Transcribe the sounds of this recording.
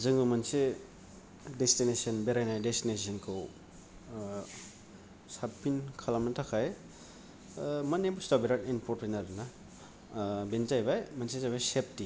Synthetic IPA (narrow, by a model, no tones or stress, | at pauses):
zɯŋbɯmɐnse | destinesiɔnbeɾajnajdestines̬iɔnkʰɯw | sapinkʰalamnɐtʰakʰaj | mɐnebustabeɾatinpʰɔɾ̚pʰinaɾdna | benzajbajmɐnsezajbajsep̚ti